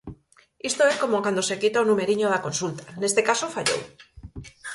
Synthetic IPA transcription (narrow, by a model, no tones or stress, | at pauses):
ist̪oesko̞mokand̪osekit̪aonũme̞ɾiɲoðako̞nsult̪ḁne̞st̪ekasofaʎo̰w